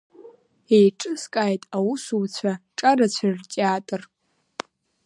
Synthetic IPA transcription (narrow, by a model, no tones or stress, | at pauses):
ejʈ͡ʂʼɨskʼaːjtʼawusuwt͡ɕʷʰaʈ͡ʂʼarat͡ɕʷʰart͡ʃʼaːtʼɨr